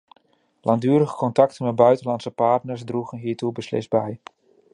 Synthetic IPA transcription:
lʔaŋndyːəɾəɣəkɔntɑktənmɛt̚bœɥtənlɑnsəpaːtnəɹsdruɣənɦiːɹtubəslɪ̰sdbɛj

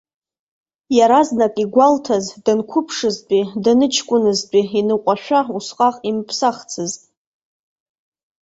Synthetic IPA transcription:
jaɾaznakʼiɡʷaltʰazdɨnkʷʰʊpʰʂɨzt͡pʼidanɨt͡ʃʰkʷʼʊnɨzt͡pʼiinɨqʷʼaʃᶣʷausqʼaqʼimpʰsaχt͡sʰɨztʼ

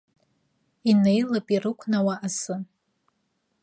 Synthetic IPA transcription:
inejlapʼirɨkʷʰʼnawaʔasɨ

